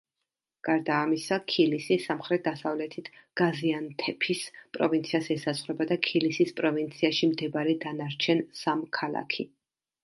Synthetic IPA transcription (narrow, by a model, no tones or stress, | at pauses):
ɡ̥aɾd̪aːmisakʰilisisamχɾɛt̪̚d̪asavlɛt̪ʰit̪ʰɡ̥aziant̪ʰɛpʰispʼɾɔvint̪sʰiasɛsaszʁɾɛbad̪akʰilisispʼɾɔvint̪sʰiaʃimd̪ɛbaɾɛd̪anaɾt͡ʃʰɛnsamkʰalˠa̰kʰi